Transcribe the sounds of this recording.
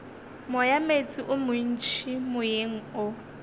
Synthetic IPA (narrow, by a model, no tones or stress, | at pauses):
mʊjamet͡sʼiʔʊmʊn̩t͡ʃʰimʊjeŋ̩ʊ